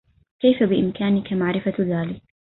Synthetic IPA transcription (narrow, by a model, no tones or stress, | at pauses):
kajfabɪʔɪmkaːnɪkamaʕɾɪfaðaːlɪk̚